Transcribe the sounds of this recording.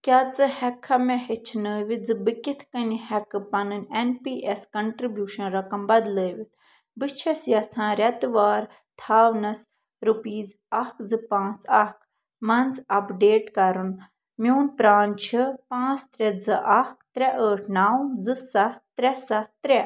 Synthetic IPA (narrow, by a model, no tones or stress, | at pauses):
kʲaːt͡sɨhɛkʰːɐmɛhit͡ʃʰnəːʋid͡zɨbɨkit̪ʰkɐnihɛkɨpɐnɨnʲenpiːʔɛskɐɳʈɾibjuːʃɐnɾɐkɐmbɐd̪ləːʋit̪̚ʰ | bɨt͡ʃʰɐsjɐt͡sʰãːɾʲɐt̪ʋaːɾ | t̪ʰaːʋnɐs | ɾupiːz | ɐhkʰzɨpãːt͡sɐk | mɐnzɐpɖeːʈkɐɾun | mʲoːnpɾaːnt͡ʃʰipãːt͡st̪ɾʲɛd͡zɨʔɐkt̪ɾʲɛʔəːʈʰnaːwd͡zɨsɐht̪ɾɛsɐht̪ɾɛ